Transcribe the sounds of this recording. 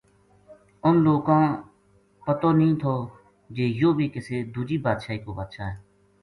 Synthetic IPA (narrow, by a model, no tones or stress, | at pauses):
ʊnloːkãː | pət̪oːnəɦĩːt̪ʰoː | d͡ʒeːjoːbʱiːkɪseːd̪uːd͡ʒiːbaːd̪ʃaːiːkoːba̰ːd̪ʃaːɦɛː